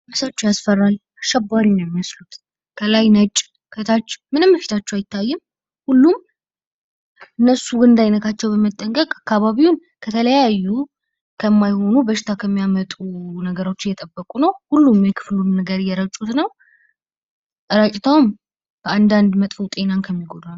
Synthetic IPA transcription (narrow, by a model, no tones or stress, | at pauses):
mɨsat͡ʃːɛjasfərːal | aʃɛbːaɾinɛmːiəslut̪ | kʰəlajnət͡ʃʼː | kʰət̪ʰat͡ʃːmɨnɨmbəfi̥t̪ʰat͡ʃːɛwajɪt̪ʰːajːɨm | hulːum | ʔɨnːəsuwɨnd̪ajnət̪ʰat͡ʃːɛwbəmət̪ʼːəŋkʼəkʼakʰːaβaβiun | kʰət̪ʰələjajːu | kʰəmːajho̞nubəʃɪ̥t̪ʰakʰəmːijamət̪ʼunəɡəɾo̞t͡ʃːɪjɛt̪ʼəbːəkʼunəwhulːumjɛkʰɨ̥flunːəɡəɾjɛɾət͡ʃʼut̪nəw | ʔəɾat͡ʃʼɪt̪ʰawm | kʰəand̪and̪mət̪ʼfut̪ʼe̞nankʰəmːiɡo̞d̪al